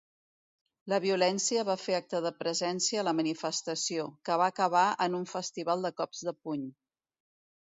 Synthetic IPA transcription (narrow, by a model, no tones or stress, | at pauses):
ləβiulɛnsiəβafeak̚t̪əðəpɾəzɛnsiəːləmənifəst̪əsiokəβaːkəβaənuɱfəst̪iβ̞alˠd̪əkɔpz̥ðəpuɲ